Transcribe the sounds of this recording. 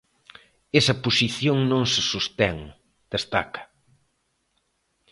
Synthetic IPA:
ɛsɐpusiθjoŋnõŋsesust̪ɛŋ | d̪̥est̪a̰kɐ̥

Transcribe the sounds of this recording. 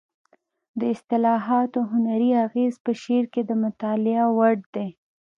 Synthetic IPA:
d̪əɪst̪ɪlɑɦɑt̪oɦʊnaɾiaɣezpəʃeɾked̪əmʊt̪ɑlɪawaɽd̪e

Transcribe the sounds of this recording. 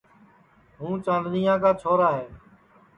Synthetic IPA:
ɦũːt͡ʃãːnd̪ɾiːãːkaːt͡ʃʰoːɾaːɦeː

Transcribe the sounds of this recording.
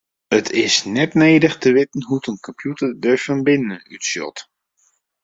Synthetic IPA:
ətʰɪsnɛtneːdəχtəʋɪtən̩ɦutənkʰɔmpʰjutədəɹfənbɪnəny̰tsjɔ̰t

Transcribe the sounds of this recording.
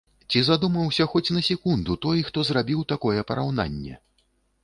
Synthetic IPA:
t͡sʲizad̪umɐwsʲɐxɔt͡sʲnɐsʲikund̪ut̪ɔjxt̪ɔzrabʲiwt̪akɔjɛpɐɾawna̰nʲːɛ̰

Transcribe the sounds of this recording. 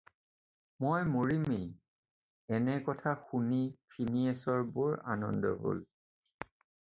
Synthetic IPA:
mojmoɹimej | ɛnɛkɔtʰaxunipʰiniɛsɔɹbʊɹanɔ̰ndɔ̰bo̰l

